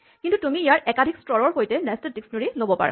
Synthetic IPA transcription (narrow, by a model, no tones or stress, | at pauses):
kintutumiijaɹʔɛkadʱikstɹɔɹɔɹɦojtɛnɛstɔdiksnoɹilobɔpa̰ɹa̰